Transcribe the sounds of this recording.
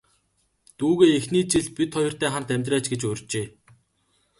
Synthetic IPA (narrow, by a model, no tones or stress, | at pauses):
t̪uːɣeːexniːt͡ɕiɮpit̪χɔjɞ̆r̥t̪æːχant̪æmʲt̪ræːt͡ɕɡet͡ɕɵrʲt͡ɕeː